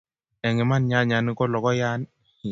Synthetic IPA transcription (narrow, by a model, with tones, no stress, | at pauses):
ɛ˨ŋɛ˨ma˦nɲa˦ɲa˨nɪ˦kɔ˦lɔ˨kɔ˦ja˦n˦